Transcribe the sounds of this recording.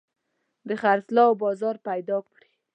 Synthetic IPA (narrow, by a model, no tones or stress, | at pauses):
d̪əxaɾslɑwbɑzɑɾpajd̪ɑkɽi